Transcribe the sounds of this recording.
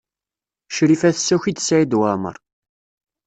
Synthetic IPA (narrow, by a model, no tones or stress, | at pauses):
ʃɾifæθəsːæçid̪sæid̪wamə̰ɾˤ